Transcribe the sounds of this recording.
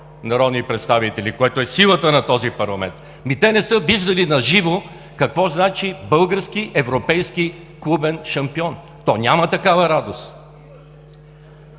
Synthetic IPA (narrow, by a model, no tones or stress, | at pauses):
nɐɾɔd̪nipɾɛt̪st̪avit̪ɛlikoɛt̪oɛsilˠət̪ənɐt̪ɔzipɐɾlˠɐmɛ̰nt̪ | mit̪ɛnɛsɤviʒd̪əlinɐʒivo | kɐkvɔznat͡ʃibɤlˠɡəɾsk̟iʔɛvɾopɛjski | klˠubɛnʃɐmpiɔn | t̪ɔnʲamət̪ɐkavɐɾad̪ost̪